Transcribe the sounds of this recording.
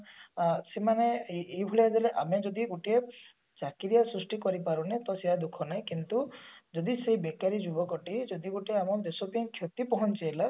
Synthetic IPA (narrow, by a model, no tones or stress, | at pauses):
semaneejbʱuɭiad͡ʒaleʔamed͡ʒɔd̪iɡuʈie | t͡ʃakiɾijasɾusʈikɔɾipaɾunet̪ɔseɦad̪ukʰɔnaj̃kint̪ud͡ʒɔd̪isejbekaɾid͡ʒubɔkɔʈid͡ʒɔd̪iɡoʈieamɔd̪esɔpĩkʰjɔt̪ipɔɦɔnt͡ʃejla